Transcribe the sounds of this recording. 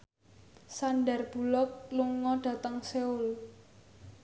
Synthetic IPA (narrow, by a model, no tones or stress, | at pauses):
sanɖərb̥ṳlɔk̚lʊŋːɔɖ̥ä̤t̪əŋseʊl